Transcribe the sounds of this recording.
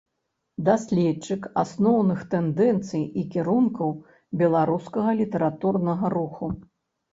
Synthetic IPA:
d̪asʲlʲɛt͡ʂɨka̰snɔwnɨxt̪ɛnd̪ɛnt̪sɨjikʲiɾunkɐw | bʲɛlˠaɾuskɐɣɐlʲit̪ɛɾat̪urnɐɣɐɾuxu

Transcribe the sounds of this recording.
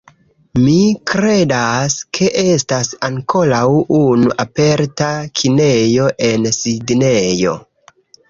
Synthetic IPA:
mikɾe̞daskʰe̞ʔe̞stasaŋko̞lawunuʔape̞ɾtakʰine̞jo̞ʔe̞nsidne̞jo̞̰

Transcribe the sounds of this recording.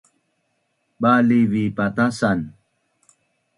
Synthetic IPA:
ɓalivipat̪asan

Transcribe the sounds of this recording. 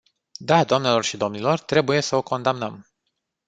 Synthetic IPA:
d̪ad̪oamne̞lo̞rʃid̪o̞mnilo̞rt̪ɾe̞buje̞səo̞ko̞nd̪amnəm

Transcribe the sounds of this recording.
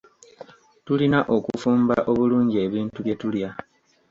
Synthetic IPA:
tulinaʔo̞kufuːmba̰ʔo̞βuluːɲɟie̞ːβiːntuβje̞tulja

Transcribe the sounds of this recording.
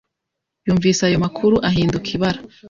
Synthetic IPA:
juːɱviːsajo̞makʰuɾuʔaɦiːndukʰiβaɾḁ

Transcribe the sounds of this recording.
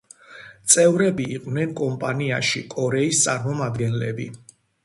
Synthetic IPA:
t̪sʼɛvɾɛbiːqʼvnɛnkʼɔmpʼaniaʃikʼɔɾɛist̪sʼaɾmɔmad̪ɡɛnlɛbḭ

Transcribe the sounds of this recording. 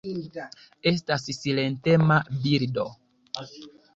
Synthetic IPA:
e̞s̬tassile̞nte̞mabiɾdo̞

